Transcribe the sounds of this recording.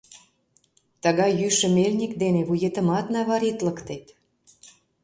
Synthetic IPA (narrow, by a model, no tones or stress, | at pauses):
t̪əɣɑjjyʃə̆melʲnʲikd̪eneβujet̪ə̆mɑt̪nɑβɑɾit̪ləkt̪et̪